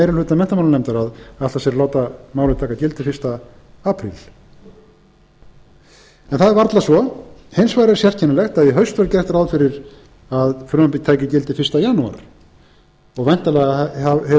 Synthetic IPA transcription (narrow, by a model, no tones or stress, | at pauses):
ejɾɪlʏːt̪amɛn̥t̪amawlanɛjmt̪ʏɾaðat̪lasɛɾloːwt̪amaːwlɪt̪ʰaːkːacɪlt̪ɪfɪrst̪a | aːpʰɾḭl | ɛnθaðɛɾvaɾt̪lasvɔhejnsvaːjɾɪɛɾ̥sjɛr̥cʰɛnɪlɛxt̪aðjɛɦœɥst̪vɛɾcɛr̥t̪aɾaðfɪɾɪɾ | aðfɾʏmapit̪ʰaːjcɪcɪlt̪ɪfɪr̥st̪ajanua̰ɾ̥ | ɔɣvajn̥t̪alɛɣaahɛ